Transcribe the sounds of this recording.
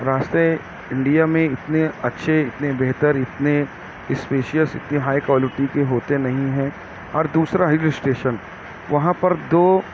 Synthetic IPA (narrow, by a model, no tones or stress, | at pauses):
ɾaːʃt̪e | ɪ̃ɳɖijamẽɪt̪neɐtːʃʰeɪt̪nebeɦt̪əɾɪt̪ne | ɪspeːʃijəsɪ̰t̪niɦaːikʋɔːlɪʈikeɦoːt̪enɐɦĩɦɛ̃ | ɔːɾd̪uːsɾaɦɪlɪsʈeːʃən | ʋɐɦãpɐɾd̪oː